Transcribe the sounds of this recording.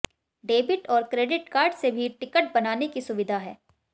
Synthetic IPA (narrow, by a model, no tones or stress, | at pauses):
ɖeːbɪʈɔːɾkɾeːɖɪʈkaːɾɖsebʱiʈɪkəʈ̚bɐnaːnekisʊʋɪd̪ʱaɦɛː